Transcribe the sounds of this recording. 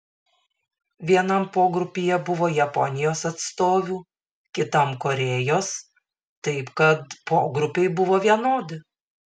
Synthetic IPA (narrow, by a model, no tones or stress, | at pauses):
ʋʲiɛnɐmpoːɡɾʊpʲijɛbʊʋoːjɛpɔnʲɪjoːsɐt̪st̪oːʋʲuː | kʲɪt̪ɐmkoɾʲeːjoːs | t̪ɐɪpkɐt̪poːɡɾʊpʲɛɪbʊʋoːʋʲiɛnoːd̪ʲɪ